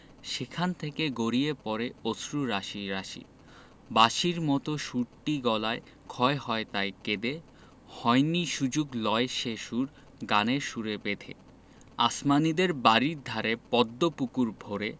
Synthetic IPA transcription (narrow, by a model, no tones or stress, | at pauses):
ʃekʰant̪ʰekeɡoɾiepɔɾeosɾuɾaʃiɾaʃḭ | baʃiɾmɔt̪oʃuɾʈːiɡɔlae | kʰɔehɔet̪ajked̪e | hɔjniʃud͡ʑuɡlɔeʃeʃuɾ | ɡaneʃuɾepet̪ʰḛ | asmanid̪eɾbaɾiɾd̪ʱaɾepɔd̪ːopukuɾbʱoɾe